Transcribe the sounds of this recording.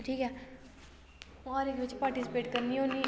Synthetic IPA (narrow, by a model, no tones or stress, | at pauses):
ʈʰiːkɦɛː | aːɾeɪkʋɪt͡ʃpaːɾʈɪsɪpeːʈkəɾniɦoːni